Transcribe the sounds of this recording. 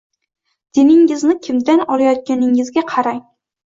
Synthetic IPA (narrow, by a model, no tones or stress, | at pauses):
d̪̥enɪŋːɪznɪkʲʰɪmd̪anɒlajɒt̪̚kʲanɪŋɪzɡʲaqʰɑɾaj